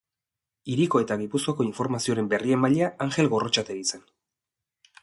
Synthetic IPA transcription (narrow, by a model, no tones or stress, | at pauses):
iɾiko̞e̞t̪aɣipusko̞ako̞iɱfo̞ɾmasio̞ɾe̞mbe̞rie̞mbaʎeaaŋxe̞lɣo̞ro̞t͡ʃat̪e̞ɾit͡sen